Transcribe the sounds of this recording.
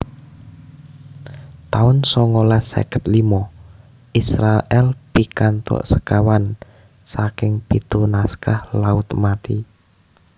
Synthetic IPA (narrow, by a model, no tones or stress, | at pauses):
t̪aʊnsɔŋolasḛkət̪̚limɔ | isɾaʔɛlpikant̪ɔ̰ʔsəkawan | sakɪŋpit̪unaskahlaʊt̪mat̪i